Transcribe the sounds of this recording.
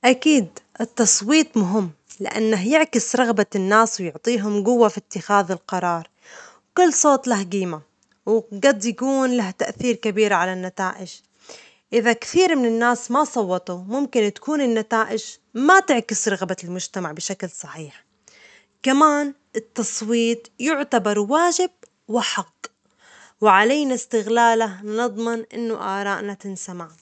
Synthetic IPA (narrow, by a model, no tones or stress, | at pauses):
ʔakiːd̪ʔɪt̪ːɑsˤwiːt̪ˤmʊɦɪmːlɪ̰ʔa̰nːaɦjɪʕkɪsɾˤɑɣbanːaːswjʊʕt̪ˤiːɦʊmɡʊwːafit̪ːɪxaːðɪlqɑɾˤɑːɾˤ | wkʊlːsˤoːt̪ˤlaɦɡiːma | wɡɑd̪ˤjakuːnlaht̪aʔθiːɾkabiːɾʕalanːat̪aːʔɪd͡ʒ | ʔɪðakθiːɾmɪnɪnːaːsmasˤɑwːɑt̪ˤumʊmkɪnt̪ḁkuːnɪnːat̪aːʔɪʒ | mat̪ɪʕkɪsɾˤɑɣbalmʊʒt̪amaʕbɪʃaklsˤɑħiːħ | kamaːn | ʔɪt̪ːɑsˤwiːt̪ˤjʊʕt̪abɑɾˤwaːʒɪb̥̚ | wɪħaqː | wɪʕalajnast̪ɪɣlaːlanɨd̪ˤmɪnʔɪ̰nːʊʔaːɾˤɑːʔnat̪ɪnsamaʕ